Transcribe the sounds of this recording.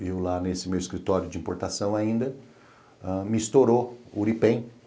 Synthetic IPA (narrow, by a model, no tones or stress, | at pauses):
ewlanesɪmewɪskɾit̪ɔɾjʊd͡ʒĩpoɾt̪asɐ̃w̃aĩnd̪ɐ | amɪist̪oɾouɾipẽj̃